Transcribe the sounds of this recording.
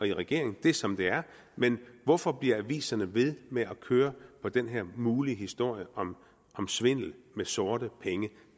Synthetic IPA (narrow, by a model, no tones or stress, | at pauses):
ɒ̽iʁɛɡ̥e̝ɐ̰eŋn̩d̥e̝sɒ̽md̥e̝æɐ | menʋɒfɒ̽b̥liɐæʋḭːsɐnəʋe̝ð̞ˠmeʔækʰøːɐpʰɒ̽d̥enɦeɐ̰muːliɦisd̥o̝ɐ̰jəʔɒ̽m | ʔɒ̽msʋe̝n̰l̩mesoːɾ̥əpʰeŋə